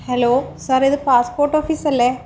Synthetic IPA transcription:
heloːsɐɾiðɨpaːspoːrʈoːfiːsɐlːe

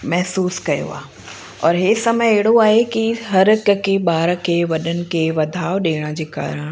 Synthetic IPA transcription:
mɛɦsuːskɐjo̰a̰ːɦe | ɔ̰ːɾɦeːsɐməjeɦɪɽoaːɦekiɦɐɾkəkʰeɓaːɾəkʰeːʋɐɗənɪ̆kʰeːʋɐd̪ʱaːoɗeːɽ̃ə̆d͡ʑeːka̰ːɾəɽ̃

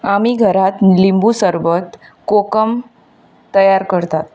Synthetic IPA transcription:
amiɡʱəɾat̪limbuːsəɾʋət̪kokəm | t̪əjaɾkəɾt̪at̪̚

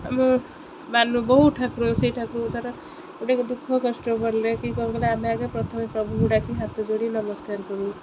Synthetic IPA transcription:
ɦamɾo | banːubʌɦuʈʰakɾosejʈʰakɾõt̪ʌɾʌ | eʈakod̪ukʰːʌkʌsʈobʌɾlekiɡʌɾũbʌlaɦamiaɡapɾʌt̪ʰʌmipɾʌbʱuɦuɽakʰiɦat̪ːod͡zoɽinʌmʌskaɾkʌɾũ

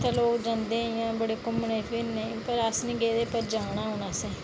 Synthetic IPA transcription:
t̪ʰaloːkd͡ʒãːnd̪eːjãːbəɽeːkʊmɳẽːpʰɪnːẽpəɾəsnĩːɡeːd̪eːpəɾd͡ʒaːnaːɦoːnaːseː

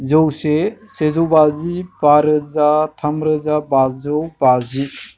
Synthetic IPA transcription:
zəwsesezowbazibaɾəzatʰɐmɾəzabazowbazi

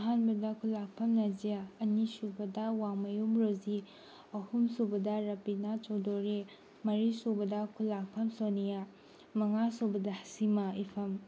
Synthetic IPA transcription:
ɐɦanbɐdɐkʰulak̚pʰɐmnɐzijaːnisubɐdɐwaŋmɐjumɾozi | ɐhumsubɐdɐɾɐpinat͡ʃowdoɾe | mɐɾisobɐdɐkʰulːak̚pʰɐmsonija | mɐŋasobɐdɐhɐ̥simɐipʰɐm

